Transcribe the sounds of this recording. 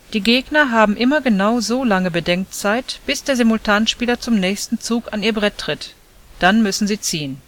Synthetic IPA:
d̥iːɡeːɡnɐɦaːbm̩ʔɪmɐɡənaʊzoːlaŋəbədɛŋk̚t͡saɪtb̥ɪsd̥eːɐzemʊltʰaːnʃpiːlɐt͡sʊmnɛːçstn̩t͡suːkaniːɐbʁɛtʰːʁ̥ɪt | d̥anmʏsn̩ziːt͡siːən

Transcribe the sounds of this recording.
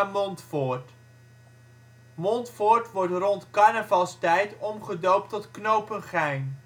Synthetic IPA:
mɔntfʊːrt | mɔntfʊːɹtʋɔɹtrɔntkɑɹnəvɑlˠstɛjtɔmχədowp̚tɔtknowpənχɛjn

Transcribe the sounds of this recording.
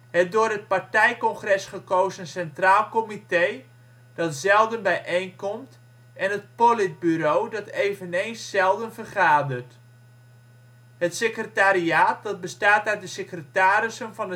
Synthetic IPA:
hɛt̚dʊːrɦət̚partɛjkɔŋχrɛsχəkowzənsɛntraːlˠkomitej | d̥ɑtzɛlˠdənbɛjʔejnkɔmt | ʔɛnɦət̚polɪt̚byɾoːdɑtejvənejnsːɛlˠdənfərχaːdərt | hətsekrətaɾiaːt̚dɑt̚bəstaːtœɥt̚dəsekrətaːɾɪsənvɑnə

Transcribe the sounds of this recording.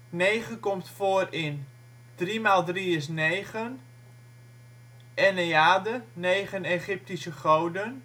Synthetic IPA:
neːχəkɔmtfoːərɪn | d̥rimalˠdriəs̬neːχən | ʔɛneaːdənejχəneχɪp̚tisəχowdən

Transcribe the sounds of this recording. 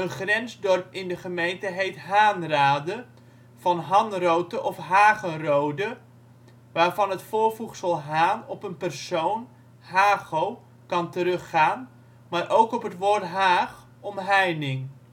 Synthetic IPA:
ənχrɛnzdɔrpɪndəχəmejntəɦejtɦaːnraːdə | v̥ɑnɦɑnrowtəʔɔfɦaːχənrowdə | ʋaːrvɑnɦətfʊːrvuχsəlˠɦaːnɔpənpərsown | ɦaːχow | kɑntəɾɵχːaːn | maːɾʔowkɔpɦətʋoːrtɦaːχ | ɔmɦɛjnɪŋ

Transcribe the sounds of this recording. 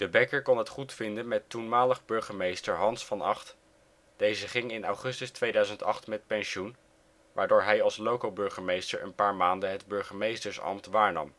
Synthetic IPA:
d̥əbɛkəɹkɔnɦətχutfɪndənmɛtːunmaːləχbɵɹχəmejstəɹɦɑnsfɑnɑχt | d̥ejzəχɪŋɪnɑwχɵstəstʋejdœɥzəntɑ̰χtmɛt̚pɛnʃun | ʋaːɹdʊːɹɦɛjɑlˠslowkəlˠbɵɹχəmejstəɹʔə̰npaːɹmaːndəɦədbɵɹχəmejstəɹsɑ̰mtʋaːɹnɑ̰m

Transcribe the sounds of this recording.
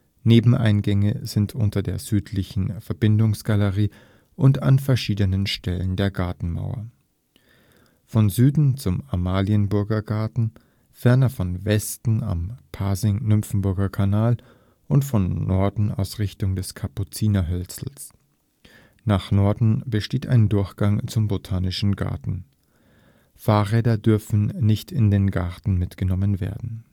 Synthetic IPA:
neːbm̩ʔa̰ɪnɡɛŋəzɪntʰʔʊ̰ntɐdeːɐzyːtʰlɪçn̩fɛɐbɪndʊŋsɡ̥aləʁiː | ʔʊnta̰nfɛɐʃiːdənənʃtɛlə̰ndeːɐɡaɐtn̩ma̰ʊɐ̰ | fɔnzyːdn̩t͡sʊmamaːliənbʊɐɡɐɡaɐtn̩ | fɛɐnɐfɔnvɛstn̩a̰mpʰaːzɪŋnʏmfn̩bʊɐɡɐkʰanaːl | ʔʊntfɔnːɔɐdn̩a̰ʊsʁɪçtʊŋdɛskʰapʊt͡siːnaɦœlt͡sl̩s | naːχnɔɐdn̩bəʃteːta̰ɪndʊɐçɡ̥aŋt͡sʊmbotʰaːnɪʃn̩ɡa̰ɐtn̩ | faːʁɛːdɐdʏɐfn̩nɪçtʰɪndeːnɡaɐtn̩mɪtɡ̥ənɔmənvḛːɐdn̩

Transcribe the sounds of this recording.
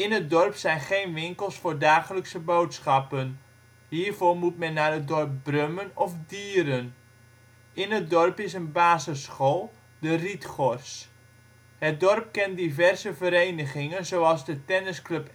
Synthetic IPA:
ɪnɦət̚dɔrpsɛjnχejnʋɪŋkəlˠsfʊːrdaːχələksəbowtsχɑpən | ɦiːrvormutmɛnːadədɔrp̚brømənɔfdiːɾən | ɪnət̚dɔrpɪs̬ənbaːsəsχolˠ | dəritχɔrs | hət̚dɔrp̚kɛndivɛrzəvəɾejnəχɪŋənzowɑlˠzdətɛnəsklɵp

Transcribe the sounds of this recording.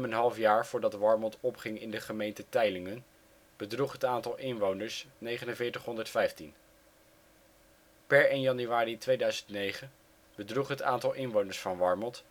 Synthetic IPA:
mənɦɑlˠfjaːɹv̥ʊːɹdɑtʋɑɹmɔntɔpχɪŋɪndəχəmejntətɛjlɪŋən | b̥ədruχɦətaːntɑlˠʔɪnʋownəɹsnejχənənvɪːɹtəχɦɔndəɹtfɛjftin | pɛɹenjɑnyaːritʋejdœɥzəntnejχən | b̥ədruχɦəta̰ːntɑlˠʔɪnʋownəɹsfɑnʋɑɹmɔlt

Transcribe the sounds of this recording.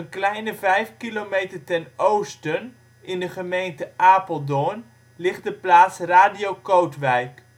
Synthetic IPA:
ənklɛjnəvɛjfkilomejtərtɛnowstən | ʔɪndəχəmejntəʔaːpəlˠdɔn | lɪχt̚dəplaːtsraːdiowkowtʋɛjk

